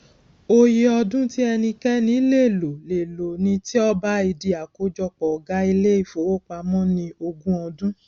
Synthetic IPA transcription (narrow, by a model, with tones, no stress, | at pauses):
o˧je˧˦ɔ˧dũ˦ti˦ɛ˧nĩ˧kɛ˦nĩ˨˦le˦˨lo˨le˨lo˨nĩ˧ti˦ɔ˦ba˦i˧di˨a˨ko˨˦d͡ʒɔ˧k͡pɔ˨ɡa˨˦i˧le˦i˦˨fo˨˦wo˦k͡pa˧˦mɔ̃˦nĩ˧o˧ɡũ˦ɔ˧dũ˦